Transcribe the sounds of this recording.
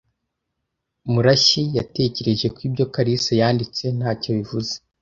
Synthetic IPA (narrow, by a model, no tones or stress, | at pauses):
muɾaʃijate̞ce̞ɾe̞ʒe̞kwiːbɟo̞kaɾisajaːndit͡se̞n̥haːco̞βivuze̥